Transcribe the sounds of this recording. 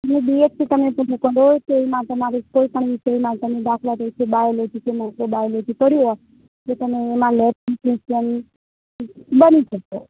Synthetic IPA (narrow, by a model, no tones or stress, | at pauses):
nebiet̪t̪ʰit̪əmeput͡ʃʰũkəɾot̪eʋimãt̪əmaɾekoipəɳʋiseʋimãt̪əmed̪akʰlat̪eit͡ʃʰebaelot͡ʃʰek̪emakobaelot͡ʃʰet̪əɽjuɦa | k̪et̪əmeːmãlɛp̚ʰsiʃən | bənit͡ʃəko